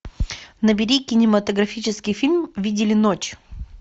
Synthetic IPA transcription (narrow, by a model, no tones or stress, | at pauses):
nəbʲɪɾʲikʲɪnʲɪmət̪əɡɾɐfʲit͡ɕɪskʲɪjfʲilʲmvʲidʲɪlʲɪnot͡ɕ